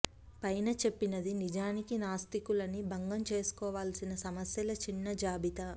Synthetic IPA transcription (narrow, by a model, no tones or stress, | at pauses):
pɐjnɐt͡ʃe̞pːinɐd̪inid͡ʒaːnikinaːst̪ikulɐnibʱɐŋɡɐmt͡ʃe̞ːsu̥kɔːʋaːlsinɐsɐmɐsjɐlɐt͡ʃinːɐd͡ʒaːbit̪ɐ